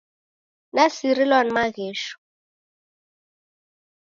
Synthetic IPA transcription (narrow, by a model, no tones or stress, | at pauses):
nasiɾilwan̩maɣeːʃɔ̥